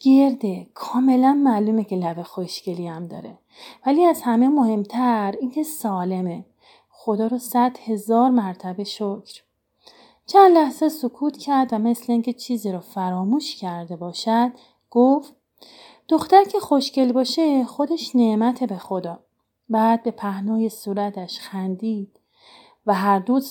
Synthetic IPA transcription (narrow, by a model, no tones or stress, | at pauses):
ɡ̥eɾd̪ekʰɒːme̞lænmæːluːmecʰe̞lævexoʃcʰeliæmd̪ɒ̰ːɾe | væliːæzhæme̞mohe̞mt̪ʰæɾiŋcʰe̞sɒːle̞me | xod̪ɒːɾosæd̪̥he̞zɒːɾmæɾt̪ʰæbe̞ʃocʰɾ | t͡ʃʰænd̪læhzesokʰuːt̪ʰcʰæɾd̪væme̞sleiːŋcʰe̞t͡ʃʰiːziːɾɔfæɾɒːmuːʃcʰæɾd̪e̞bɒːʃæd̪̥ | ɡ̥oft̪ | d̪̥oxt̪æɾcʰe̞xo̞ʃce̞lbɒːʃe̞xo̞d̪eʃneʔmæt̪ʰebexod̪ɒː | bæːd̪̚be̞pʰæhnɒːjesuːɾæt̪ʰæʃxænd̪iːd̪̥ | væɦæɾd̪uːz